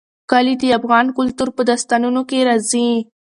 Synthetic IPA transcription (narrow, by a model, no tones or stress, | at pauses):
kɑlid̪iafɣɑnkʊlt̪uɾpəd̪ast̪ɑnunokeɾɑzi